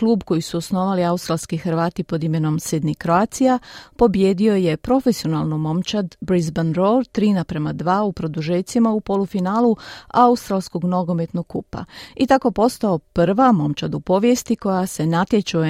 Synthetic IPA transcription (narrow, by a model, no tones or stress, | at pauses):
kluːbko̞jisuosno̞ːʋaliaust̪ɾalˠskixɾʋaːt̪ipo̞d̪ime̞no̞msid̪nikɾoaːt̪sijapo̞bje̞ːd̪io̞je̞pɾo̞fesio̞nalˠnomo̞mt͡ʃad̪bɾizbanɾo̞ɾt̪ɾiːnapɾe̞mad̪ʋaːupɾo̞d̪uʒeːsimaupo̞lufinaːlˠuaust̪ɾalˠsko̞ɡnoɡo̞me̞t̪noɡ̚kːupa̰it̪ako̞po̞st̪aopr̩ʋamo̞mt͡ʃad̪upo̞ʋje̞st̪iko̞jase̞nat̪je̞t͡ʃu